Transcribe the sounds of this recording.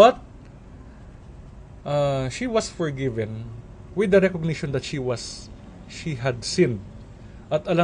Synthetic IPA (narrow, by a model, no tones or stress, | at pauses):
bɐt̪̚ | ʔaʃiwɐsfɔɹɡɪvɛ̃n | wɪd̪ːɐɾɛkoɡ̚nɪʃɔ̃nd̪ɐt̪ʃiwɐs | ʃiɦɐd̪sĩn̚ | ʔɐt̪ʔɐla